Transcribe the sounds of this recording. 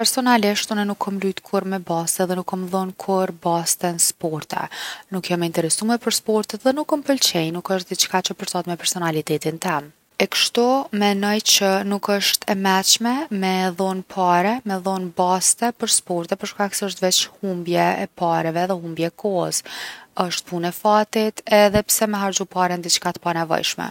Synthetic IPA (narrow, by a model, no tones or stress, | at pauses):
pɛɾsɔnaliʃt̪unɛnukʰːɔmlujt̪kʰuɾmɛbast̪ɛðɛnukʰːɔmðɔnkʰuɾbast̪ɛnspɔɾt̪ɛ̰nukjɔmɛint̪ɛɾɛsumɛpəɾspɔɾt̪ət̪ðɛnukːɔmpəlt͡ʃɛjnukəʃt̪̚d̪ɛt͡ʃkat͡ʃəpəɾsat̪mɛpɛɾsɔnalit̪ɛt̪int̪ɛm | ɛkə̥ʃt̪umɛnɔjt͡ʃənukəʃt̪ʰɛmɛt͡ʃmɛmɛðɔnpʰaɾɛmɛðɔnbast̪ɛpəɾspɔɾt̪ɛpəɾʃkaksɛəʃ̬t̪vɛt͡ʃhumbjɛɛpaɾɛvɛðɛɦumbjɛːkʰɔhəsəʃt̪̚punɛfat̪it̪ɛðɛpsɛmɛɦaɾd͡ʒupaɾɛnd̪it͡ʃkat̪panɛvɔ̰jʃmɛ̰